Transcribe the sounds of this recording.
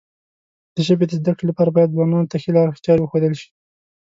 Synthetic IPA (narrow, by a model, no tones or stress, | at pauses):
d̪̥əʒəbed̪əzd̪akɽelapɑɾabɑjad̪̚zwɑnɑnot̪axelɑɾxt͡ʃ̪ɑɾwəxod̪əlʃi̥